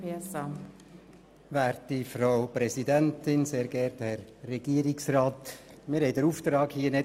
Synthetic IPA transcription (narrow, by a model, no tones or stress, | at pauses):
esa | ʋæːɾtifɾaʊpɾɛsidɛntɪnseːɾɡɛɾthɛrːɛɡiːəɾɪksraːt | mɪɾhɛɪdəɾuːft̪ɾɑːkhiːənɛ